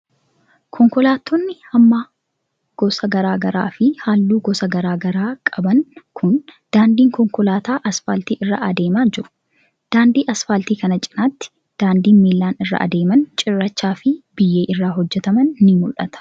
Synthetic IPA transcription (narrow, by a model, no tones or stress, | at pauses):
kʰɔŋkɔlaːt̪ʰːɔnːɪhɐmːaː | ɡ̥ɔsɐɡɐɾaːɡɐɾa̰ːfɪhaːlːuːɡɔsɐɡɐɾaːɡɐɾaːkʼɐbɐŋkʰʊnd̪̥aːnd̪iːŋkɔŋkɔlaːt̪aːʔɐsfa̰ːlt̪iːʔɪrːa̰ʔɐd̪e̞ːmaːnd͡ʒɪɾʊ̥ | d̪̥aːnd̪iːʔɐsfaːlt̪iːkɐnɐt͡ʃʼɪ̥naːt̪ːɪ̥ | d̪̥aːnd̪iːnmeːlːaːnɪrːɐ̰ʔɐ̰d̪e̞ːmɐnt͡ʃʼɪrːɐt͡ʃːaːfɪb̥ɪjːeːʔɪrːaːɦɔd͡ʒːɛt̪ɐmɐnnɪmʊlʔɐt̪ɐ̥